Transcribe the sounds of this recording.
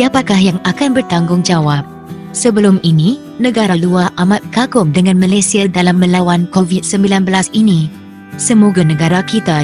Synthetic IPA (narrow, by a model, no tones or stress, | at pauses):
siapakahjaŋakanbərt̪aŋɡʊŋd͡ʒawap̚ | səbəlʊminĩ | nə̃ɡaɾaluaʔamãt̪̚kaɡʊmdəŋãnmãlasiadalamːə̃lawankovit̪̚səmbilanbəlasinĩ | səmoɡanə̃ɡaɾakit̪a